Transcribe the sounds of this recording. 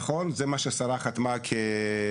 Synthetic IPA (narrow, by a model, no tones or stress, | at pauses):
χonzemaʃesaɾaχat̪makʰe